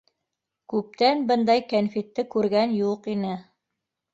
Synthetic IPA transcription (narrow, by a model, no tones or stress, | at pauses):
kʉp̚t̪ænbɤ̆nd̪ɑjkænfit̪ːɘkʉɾɡænjuqinɘ